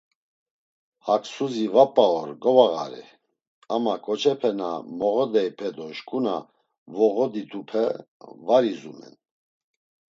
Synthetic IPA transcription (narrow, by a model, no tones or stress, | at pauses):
hakʰsuzivapʼːaɔɾɡɔvaɣa̰ɾɛ̰ | amakʰʼɔt͡ʃʰɛpʰɛna̰mɔɣɔd̪ɛjpʰɛd̪ɔʃkʼuna̰ | vɔɣɔd̪it̪ʰʼupʰɛvaɾizumɛ̰n